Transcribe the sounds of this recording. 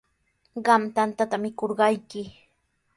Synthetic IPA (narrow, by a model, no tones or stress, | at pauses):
ɢɑmt̪ant̪at̪amɪkoɾɢɑjkɪ